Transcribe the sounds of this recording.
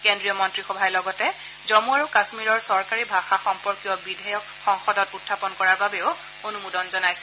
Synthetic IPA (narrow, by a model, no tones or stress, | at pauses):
kendɹijɔmɔntɹixɔbʱajlɔɡɔtɛ | zomuaɹukasmiɹɔɹsɔɹkaɹibʱaxaxɔmpɔɹkijɔbidʱajɔkxɔŋxɔdɔtutʰːapɔnkɔɹaɹbabɛʊ | onumudɔnzɔnajsɛ̥